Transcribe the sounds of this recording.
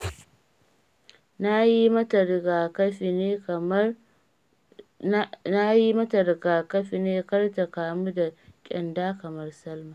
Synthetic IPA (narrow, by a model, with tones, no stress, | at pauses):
na˦ji˦mɐ˦tɐ˨ɾɡaː˨kɐ˦ɸi˨neː˦ | na˦ji˦mɐ˦tɐ˨rɡaː˨kɐ˦ɸi˨neː˦kɐ˦rta˨kaː˨mu˦da˨kʲʼɪ˨ndaː˦kɐ˨mɐ˦rsɐ˦lmaː˨